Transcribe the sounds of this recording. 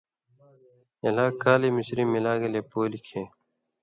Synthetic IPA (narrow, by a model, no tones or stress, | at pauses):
elaːkaːlemisɾiːmilaːɡeleːpoːlikʰẽː